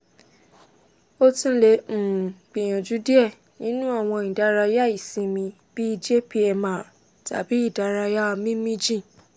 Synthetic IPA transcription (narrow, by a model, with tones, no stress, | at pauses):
o˦tĩ˧˦lẽ˧˨k͡pi˨j̃ã˨d͡ʒu˨˦di˦ɛ˦˨ | nĩ˨˦nũ˦a˦˨w̃ɔ̃˧ĩ˨da˨˦ɾa˧ja˦i˨sĩ˨˧mĩ˧ | b̥i˦i˧d͡ʒe˦pi˦ɛ˧mã˨ | ta̰˨bi˨˦i˦˨da˦ɾa˧ja˦˧mĩ˦mĩ˦d͡ʒĩ˦˨